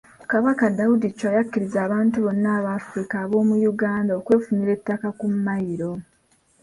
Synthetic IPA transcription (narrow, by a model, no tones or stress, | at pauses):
kaβakadawudit͡ʃːajakːiɾizaːβaːntuβo̞nːaːβaːfɾikaːβo̞ːmujuɡaːndaokwe̞ːfuɲiɾe̞tːakakumːajiɾo̞